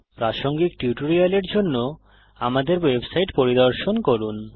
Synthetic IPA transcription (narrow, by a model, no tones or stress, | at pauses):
pɾaʃoŋɡikʈjuʈoɾialeɾd͡ʑonːo | amad̪eɾwebsajʈpoɾid̪oɾʃonkoɾun